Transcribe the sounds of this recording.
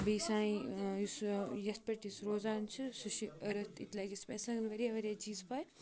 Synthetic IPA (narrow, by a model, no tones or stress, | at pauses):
bɐjsãːĩjisjɐst̪̚pɐʈisɾoːzaːnt͡ʃʰɨsuʃiɐɾɐt̪ʰit̪laɡʲispɐːsɐɡnʋɐɾiɐʋɐɾʲjaːt͡ʃiːzpɐːj